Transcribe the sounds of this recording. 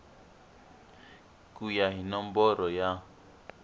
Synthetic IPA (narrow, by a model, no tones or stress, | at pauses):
kujaɦinɔm̩bɔɾɔja